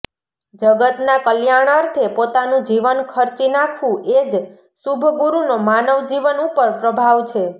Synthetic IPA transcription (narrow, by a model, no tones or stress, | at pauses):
d͡ʒəɡət̪nakəljaɳ̃əɾt̪ʰepot̪anũd͡ʒiʋənkʰəɾt͡ʃinakʰʋũʔed͡ʒ | subʱɡuɾunomanəʋd͡ʒiʋənupəɾpɾəbʱaʋt͡ʃʰe